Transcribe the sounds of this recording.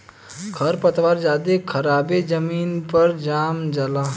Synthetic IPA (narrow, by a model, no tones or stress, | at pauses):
kʰɐɾpɐt̪ʋaːɾd͡ʒaːd̪ekʰɐɾaːbed͡ʒɐmiːnpɐɾd͡ʒaːmd͡ʒəlaː